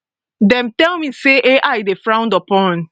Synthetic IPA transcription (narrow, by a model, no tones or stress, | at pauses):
dɛ̃mtɛlmiseʔeʔajdefɹãʊ̃ndɔpɔ̃n